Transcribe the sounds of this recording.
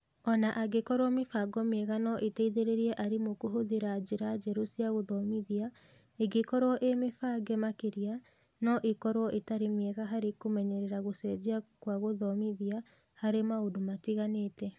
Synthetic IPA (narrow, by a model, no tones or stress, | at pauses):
ɔnaʔaɡekɔɾwɔmefaɡɔmeɛɣanɔʔetɛiðeɾeɾiɛʔaɾemokoɦoðiɾad͡ʑeɾad͡ʑɛɾusiaɣoðɔmiðia | eɡekɔɾoɔʔemefaɡemakeɾia | nɔʔekɔɾwɔʔetaɾemeɛɣaɦaɾekomɛɲɛɾɛɾaɣosɛd͡ʑiakwaɣoðɔmiðia | haɾemaodomatiɣaneːtɛ